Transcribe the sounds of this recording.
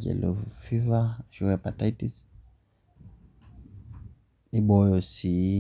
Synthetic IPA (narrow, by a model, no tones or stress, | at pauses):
d͡ʒɛ̰lɔfivaʃuɣɛpataitis | iɓɔjɔsi